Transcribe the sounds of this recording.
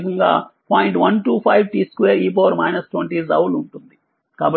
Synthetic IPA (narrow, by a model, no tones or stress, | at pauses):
kɐŋɡa̰ːpaːjiɳʈʋɐnʈuːpʰɐjʋʈiːskʋeːɾiːp̬oʋɐɾmɐjnɐsʈwɐɳʈiːzɐ̰wluɳʈund̪i | kaːbɐ